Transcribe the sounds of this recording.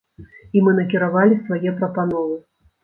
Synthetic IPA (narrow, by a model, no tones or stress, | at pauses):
imɨn̪ɐkʲiɾavalʲisvajɛpɾɐpanɔvɨ